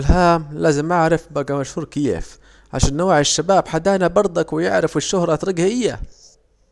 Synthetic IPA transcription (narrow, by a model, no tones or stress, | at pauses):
lɦaːmlaːzɪmʔaʕɾɪfbaɡamaʃhuːɾˤkɪjḛːf | ʕa̰ʃaːnːowːʕɪʃːabaːbħad̪aːnabɑɾˤd̪ˤɑkwɪjɪ̰ʕɾɪfɪʃːʊhɾˤɑt̪ɾˤɑɡhʔɪjːa̰